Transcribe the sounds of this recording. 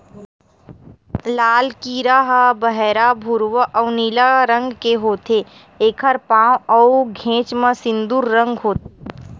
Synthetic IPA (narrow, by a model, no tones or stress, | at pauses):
laːlkiɾaɦəbəɦɛɾabʱʊɾwəʔɔwniːlaɾə̃ŋɡkeɦoːt̪ʰe | eːkʰəɾpãːwɔʊɡʱẽːt͡ʃmə̃sɪ̃nd̪uɾːə̃ŋɡɦoːt̪